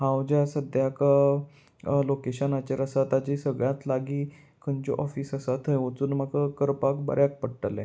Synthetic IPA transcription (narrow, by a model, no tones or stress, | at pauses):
ɦãwd͡ʑjasəd̪ʱjaka | lokeɕənat͡ɕaɾəsat̪ad͡ʑiːsəɡɭjãt̪laɡiː | kʰənt͡ɕɔ̰ʔɔfiːsəsat̪ʰəjʋət͡suːnmakakəɾpakbə̰ɾjak̚pəɽʈəlḛ̃